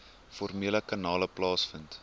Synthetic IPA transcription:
fɔrmiələkɐnɑːləplɑːsfənt

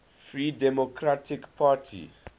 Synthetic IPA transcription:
fɹiːdɛmokʰɾatʰikpʰatʰḭ

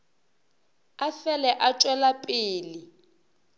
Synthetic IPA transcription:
afɛlɛʔat͡ʃʼwɛlapʼeːli

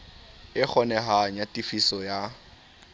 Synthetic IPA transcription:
ɪk͡xʰɔnɛɦaɲatʼifisɔja

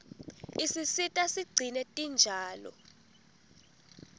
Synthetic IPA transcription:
isisitʼasiɡ͡ǀʱinɛtʼind͡ʒʱaːlɔ̰

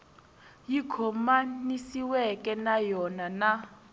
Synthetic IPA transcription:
jikʰɔmanisiwɛkʼɛnajɔnana

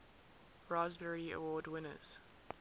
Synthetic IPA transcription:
ɹazbəɹiə̰wɔːdwɪnə̰z̥

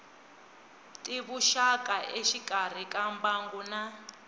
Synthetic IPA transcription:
tʼiβuʃakʼaʔeʃikʼar̤ikʼambaŋɡuna

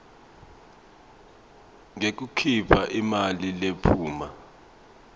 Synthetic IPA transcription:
ŋek̬ukʰipʰaʔimalilepʰuːma

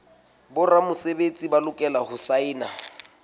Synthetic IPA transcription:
bʊramʊsebet͡sʼibalʊkʼɛlahʊsaɪːna

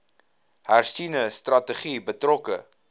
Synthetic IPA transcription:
hærsinəstrɐtəχibətrɔkə

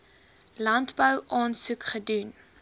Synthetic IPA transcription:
lɐntbəwʔɑːnsukχədun

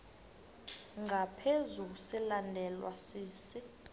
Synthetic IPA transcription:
ŋɡʱapʰezuusilandʱɛlwa̰siːsi

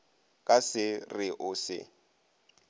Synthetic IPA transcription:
kʼasɪrɪʔʊsɪ̰

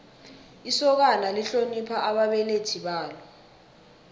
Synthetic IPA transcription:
isɔk̬analiɬonipʰaʔaɓaɓɛletʰiɓaːlɔ

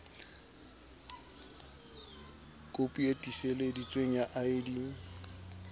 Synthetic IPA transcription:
kʼopʼuetʼiseledit͡sʼweŋ̩jaʔaɪdi

